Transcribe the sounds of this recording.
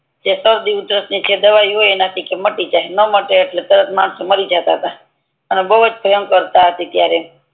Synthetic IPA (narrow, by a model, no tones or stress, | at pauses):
d͡ʒesəɾd̪iut̪ɾəsnit͡ʃʰed̪əʋaiɦojenat̪ʰikeməʈid͡ʒaenəməʈeːʈlet̪əɾət̪ʰmanseməɾid͡ʒat̪aɦət̪a | ənebəɦəd͡ʒpəəmkəɾt̪aɦət̪it̪jaɾe